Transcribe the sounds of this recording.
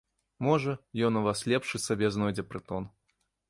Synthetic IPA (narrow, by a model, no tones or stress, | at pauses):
mɔʐɐjɔnuvaslʲɛpʂɨsabʲɛznɔjd͡zʲɛpɾɨt̪ɔn